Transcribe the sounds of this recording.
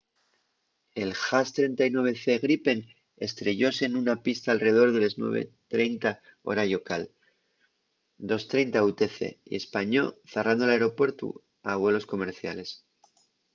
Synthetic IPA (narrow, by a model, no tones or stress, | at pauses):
e̞lxast̪ɾe̞nt̪ainwe̞β̞e̞θe̞ɣɾipe̞n | e̞st̪ɾe̞ʝo̞se̞nunapist̪aːlre̞o̞ɾðe̞leznwe̞̰β̞e̞̰t̪ɾe̞jnt̪a | o̞̰ɾajo̞kal | d̪o̞st̪ɾe̞jnt̪aut̪eθe̞̰ḭe̞spaɲo̞̰θerand̪o̞laeɾo̞pwe̞ɾt̪ṵ | aβwe̞lo̞sko̞me̞ɾθja̰le̞s